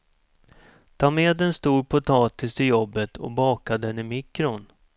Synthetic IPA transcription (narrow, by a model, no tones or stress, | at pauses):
t̪ʰɑːmeːd̪ɛnst̪uːɾpʰʊt̪ʰɑːt̪ɪst̪ʰɪjɔbːət̪ʰɔ̰bɑːkad̪ɛnɪmɪkɾʊn